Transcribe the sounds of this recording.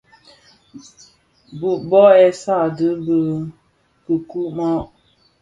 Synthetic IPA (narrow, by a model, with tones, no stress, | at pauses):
bu˨ʔbɔ˦ɛ˨sa˦˨də˨˦bə˦ | kə˨ku˦ʔmɔ˦ʔ